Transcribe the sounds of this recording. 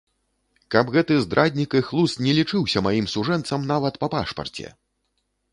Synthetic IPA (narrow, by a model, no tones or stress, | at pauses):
kɐbɣɛt̪ɨzd̪ɾʔad̪ʲnʲikɨxlˠust̪nʲɛlʲit͡ʂɨwsʲɐmajimsuʐɛnt̪sɐmnavɐt̪pɐpaʂpɐ̰rt͡sʲɛ̰